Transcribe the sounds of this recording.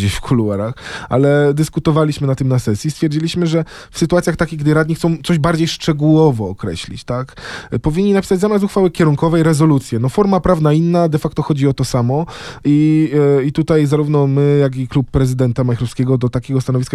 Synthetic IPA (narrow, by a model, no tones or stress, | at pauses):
d͡ʑeɕfkʰuluɛɾaxa̰lɛd̪ɘskut̪ɔvalʲiɕmɘnat̪ːɘmnasɛsʲjist̪fʲjɛɾd͡ʑilʲiɕmɘʐɛ | fsɘt̪uat̪sʲjaxt̪akʲiɣɡd̪ɘɾad̪̚ɲixt̪sɔ̃w̃t̪sɔʑbaɾd͡ʑejʂt͡ʂɛɡuwɔvɔːkɾɛ̰ɕlʲḭt͡ɕt̪akpɔvʲiɲʲːinapʲisad͡ʑʲzamʲjas̬uxfawɘkʲɛɾuŋkɔvɛjɾɛzɔlut̪sʲjɛnɔfɔɾmapɾavnainːad̪ɛfakt̪ɔxɔd͡ʑiɔt̪ɔsamɔiit̪ut̪ajzaɾuvnɔmɘjaɡiklupːɾɛzɘd̪ɛnt̪amajxɾɔfskʲɛɡɔd̪ɔt̪akʲɛɡɔst̪anɔvʲiska